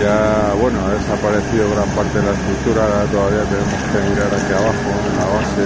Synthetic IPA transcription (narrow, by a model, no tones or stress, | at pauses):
ʝaβwe̞noaðesapaɾe̞θiðoɣ̞ɾampaɾt̪e̞ðelaest̪ɾuk̚t̪uɾaðat̪o̞ðaβiat̪e̞nemo̞ske̞miɾaɾakiaβ̞axoelaβase